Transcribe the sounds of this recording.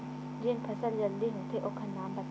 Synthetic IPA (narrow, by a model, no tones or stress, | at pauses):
d͡ʒɪnpʰɐsəld͡ʒɐld̪iɦõt̪ʰeʔokʰənːaːmbɐt̪